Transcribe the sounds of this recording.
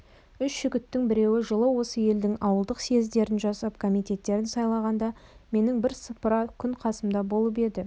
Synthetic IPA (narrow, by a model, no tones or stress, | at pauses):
ʏsːʏɡʲɪt̪ːɪŋbɪɾe̞wɪʒəlˠəwo̞səje̞ld̪ɪŋɑwəlˠd̪əqse̞zd̪e̞ɾɪnʒɑsɑp̚kʰomijt̪ʲe̞t̪ːe̞ɾɪnsɑjlˠɑʁɑnd̪ɑ | me̞nɪŋbɪɾsəpəɾɑkʲʰʏɴqʰɑsəmd̪ɑbo̞lˠəp̬e̞d̪ɪ